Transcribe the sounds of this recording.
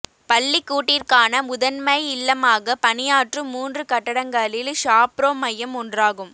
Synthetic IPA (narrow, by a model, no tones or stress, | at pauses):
pɐɭːɪkːuːʈːɪrkaːnɐʊðɐnmɐjɪlːɐmaːɣɐpɐnɪjaːʈrɯmuːndrɯkɐʈːɐɽɐŋɡɐlɪlʂaːpɾoːmɐjːɐmɔndraːɣɯm